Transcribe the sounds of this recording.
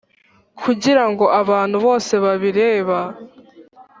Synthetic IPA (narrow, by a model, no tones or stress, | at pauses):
kʰuɟiɾaŋɡo̞ʔaβaːn̥huβo̞ːse̞βaβiɾeːβa